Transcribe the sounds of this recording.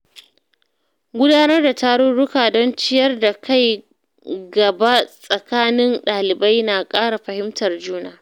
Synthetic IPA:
ɡʷʊ˦daː˦nɐ˦rda˨taː˦ɽʊ˦ɽʊ˦kaː˨dɔ˦nt͡ʃɪ˦jɐ˦rda˨ka˦j | ɡɐ˨ba˦sʼɐ˨kaː˦nɪ˦nɗaː˨lɪ˨ba˦jnaː˨kʼaː˦ɽa˨ɸɐ˨hɪ˦mtɐ˨rd͡ʒuː˦naː˨

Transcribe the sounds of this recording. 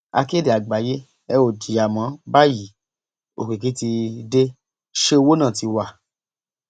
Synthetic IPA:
a̰˧ke˦de˨a˨ɡ͡ba˨je˦ | ɛ˧o˨di˨ja˨mã˨˦ba˦ji˨˦ | o̰˨ki˨ki˨˦ti˧de˦ | ʃe˦o˧wo˦nã˦˨ti˨˧wa˦˨

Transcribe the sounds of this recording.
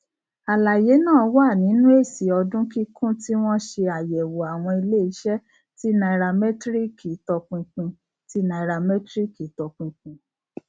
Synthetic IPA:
a˨la˨je˨˦nãː˦˨˧wa˦˨nĩ˨˦nũ˦e˦˨si˨˦ɔ˧dũ˦ki˦kũ˦ti˦w̃ɔ̃˦ʃe˧a˨jɛ˨wo˨a˨w̃ɔ̃˧i˧le˦i˧˦ʃɛ˦ | ti˦na˧i˨ɾa˧mɛ˦tɾi˦ki˨˦tɔ˧k͡pũ˧k͡pũ˧ | ti˦na˧i˨ɾa˧mɛ˦tɾi˦ki˨˦tɔ˧k͡pũ˧k͡pũ˧

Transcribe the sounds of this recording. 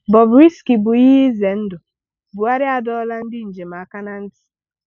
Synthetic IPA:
bɔ˨bɾi˦ski˨bʊ˨ji˦ɦi˦ze˨n̩˦dʊ˨ | bʊ˨a˦ɾɪ˦a˨dɔ˦la˦n̩˦dɪ˦n̩˨d͡ʒe˨m˨a˨ka˦na˦n̩˦tɪ̥˨

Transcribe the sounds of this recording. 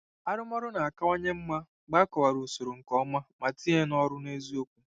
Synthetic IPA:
a˦ɾʊ˦mɔ˦ɾʊ˦na˨a˨ka˦o˦ɲe˦m̩˦ma˦ | ɡ͡ba˦kɔ˨wa˨ɾu˨so˨ɾo˨ŋ̩˨kɔ˦ma˦ma˨ti˦ɦe˦nɔ˦ɾʊ˦ne˦zi˦o˦kʷu˦

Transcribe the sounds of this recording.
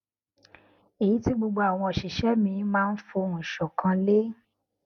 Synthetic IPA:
e˨ji˨˦ti˦ɡ͡bo˧ɡ͡bo˧a˨w̃ɔ̃˧˨ʃi˨ʃɛ˨˦mĩ˧mãː˦˧n̩˦fo˧˨ʃɔ˨kã˧le˦

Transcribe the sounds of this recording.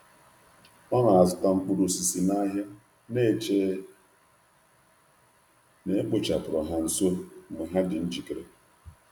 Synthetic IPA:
ɔ˦ŋa˨a˨zʊ˨ta˨ŋ͡m̩˦k͡pu˦ɾu˨si˨si˨na˦ɦa˦ | ne˦˨t͡ʃe˦ | ne˨e˦k͡po˨t͡ʃa˨pʊ˨ɾɔ˨ɦa˨n̩˨so˦me˨ɦa˦dɪ˨n̩˦d͡ʒi˨kɾe˨

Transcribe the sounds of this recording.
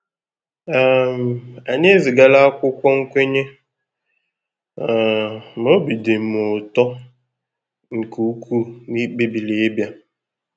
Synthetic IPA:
a˦˨m˨a˨ɲ˦e˦zi˨ɡa˦la˦kʷʊ˦kʷɔ˦ŋ̩˦kʷe˦ɲe˦˨ | m˨o˦bi˨de˨m̩˨˦mo˨tɔ˦ | ŋ̩˨ku˨˦kʰu˦ni˦k͡pe˦bi˨le˨˦bja˦

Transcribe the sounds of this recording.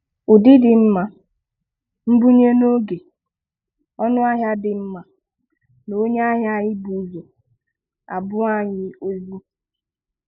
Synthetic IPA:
ʊ˨dɪ˦dɪ˨m̩˦ma˨ | m̩˦bu˦ɲe˦no˦ɡe˨ | ɔ˦nʊ˦a˦ɦja˦dɪ˨m̩˦ma˨ | no˨˦ɲ˦a˦ɦja˦ɲɪ˦bu˨zo˨ | a̰˨bʊ˦a˦ɲɪ˨o˦zu˦

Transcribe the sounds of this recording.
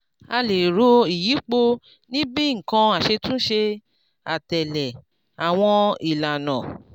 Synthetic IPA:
a˧le˨ɾo˨˦i˨ji˨˦k͡po˧ | nĩ˦bi˦ŋ̩˨kã˧a˨ʃe˧tũ˦ʃe˧ | a˨tɛ˨lɛ˨ | a˨w̃ɔ̃˧i˨la˨nã˨

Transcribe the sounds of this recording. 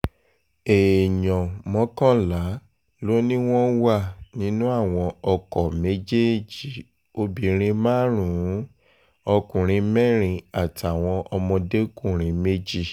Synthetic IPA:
e˨jɔ̃˨mɔ̃˨˦kã˦˨la˨˦ | lo˦nĩ˦w̃ɔ̃˦wa˦˨nĩ˨˦nũ˦a˦˨w̃ɔ̃˧ɔ˧kɔ˨me˦d͡ʒe˦˨d͡ʒi˨ | o˧bĩ˨˦ɾ̃ĩ˧mãː˦ɾ̃ũ˨˦ | ɔ˧kũ˨ɾ̃ĩ˨˧mɛ˦˨ɾ̃ĩ˧a˨ta˨w̃ɔ̃˧ʔɔ˧mɔ̃˧de˦kũ˦˨ɾ̃ĩ˨˧me˦d͡ʒi˦˨

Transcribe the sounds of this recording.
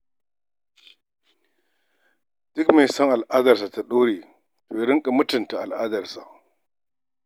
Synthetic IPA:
d̥ʊ˦kme˨sɔ˦ŋʔa˨lʔaː˦dɐ˨rsa˨ta˨ɗoː˦ɽeː˨ | toː˨jɽɪ˦ŋkʼa˨mʊ˦tʊ˨nta˨ʔa˨lʔaː˦dɐ˨rsa̰˨ʔ

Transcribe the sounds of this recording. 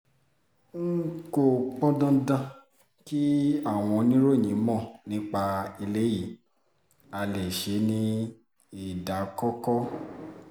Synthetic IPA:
ŋ̩˦ko˨k͡pɔ˦dã˦dã˧ | ki˦a˦˨w̃ɔ̃˧nĩ˦ɾo˦˨ɲĩ˨˦mɔ̃˦˨nĩ˦k͡pa˧i˧le˦ji˨˦ | a˧le˨ʃe˨˦nĩ˦ | i˦˨da˨˦kɔ˦kɔ˦

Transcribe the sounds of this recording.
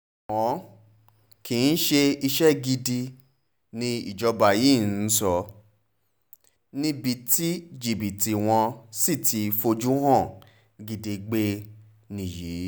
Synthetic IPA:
wɔ̃˨˦ | ki˨˧n̩˦ʃe˧i˧ʃɛ˦ɡi˧di˧ | nĩ˧ḭ˦˨d͡ʒɔ˧ba˨ji˦˨n̩˦sɔ˧ | nĩ˦bi˧ti˦d͡ʒi˨bi˨ti˨w̃ɔ̃˧si˦˨tʰi˧fo˧d͡ʒu˦hɔ̃˦˨ | ɡi˧di˧ɡ͡be˦ | nĩ˨ji˨˦

